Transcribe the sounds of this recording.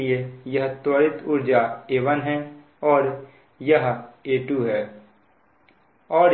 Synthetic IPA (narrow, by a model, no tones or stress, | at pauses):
iejɐɦt̪wəɾɪt̪ʊɾd͡ʒaeːʋənɦɛ̃ | ɔːɾ | jɐɦeːʈuɦɛː | ɔːɾ